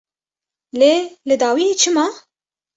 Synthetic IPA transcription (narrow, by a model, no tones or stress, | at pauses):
leːlɨd̪ɑːwijet͡ʃʰɨmɑː